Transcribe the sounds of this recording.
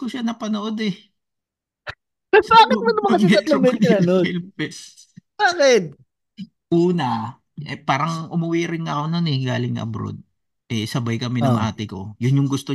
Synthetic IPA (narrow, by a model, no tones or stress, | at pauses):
koʃanɐpɐnoʔod̪ɛ | kɐsaːkɪn̚mɐnɐmɐŋɐɐt̪lɐmɛɪɐnoɪlpɛs | aːkɪt̪̚ | ʔuːnɐ | ɛpaːɾɐŋʔʊmʊwiɾɪŋŋɐkononɛɡaːlɪŋːɐ̰ʔɐ̰bɾo̰d̪̚ | ʔɛsɐbajkɐmɛnɐŋʔaːt̪ɪko̞jʊnjʊŋɡʊst̪o